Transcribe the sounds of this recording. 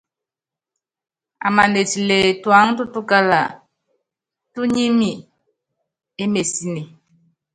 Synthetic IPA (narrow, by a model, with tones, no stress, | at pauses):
a̰˨ma˨ne˨ti˨le˨twa˨˦ŋtu˦tu˦ka˦la̰˨ | tu˦ɲi˦mi˨ | e˦me˨si˦ne˨